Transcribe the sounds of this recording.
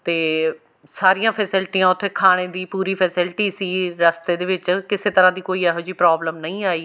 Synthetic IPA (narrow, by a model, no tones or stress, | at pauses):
t̪eː | saːɾijãfʰɛsɪlɪʈiãʊt̪ʰːekʰaːɽ̃ed̪iːpuːɾifɛːsɪlɪʈisiɾɐst̪ed̪eʋɪt͡ɕkɪset̪ɐɾãd̪iːkoːiaːɦʊd͡ʑiːpɾaːbləmnɐĩaːiː